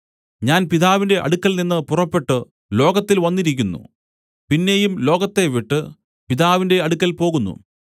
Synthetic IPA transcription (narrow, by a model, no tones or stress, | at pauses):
ɲaːnpiðaːʋinde̞ʔɐ̰ɽukʲːɐlninːɨpurɐpːe̞ʈːɨ | lo̞ːɣɐt̪ːilʋɐnːiɾikʲːunːṵ | pinːe̞jumlo̞ːɣɐt̪ːe̞ʋiʈːɨ | piðaːʋinde̞ɐɽukʲːɐlpo̞ːɣunːṵ